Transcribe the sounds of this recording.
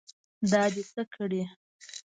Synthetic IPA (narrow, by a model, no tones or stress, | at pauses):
d̪ɑd̪esəkʰəɽi